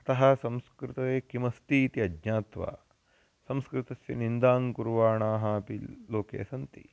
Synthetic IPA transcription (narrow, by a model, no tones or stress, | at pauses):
ɐt̪ɐɦɐsɐ̃mskɾɪt̪ɐʋeːkimɐst̪iːt̪iɐdɲaːt̪ʋa̰ː | sɐmskɾɪt̪ɐsjɐnind̪aːŋkuɾʋaːɳaːɦɐɐpiloːkḛːsɐnt̪ḭ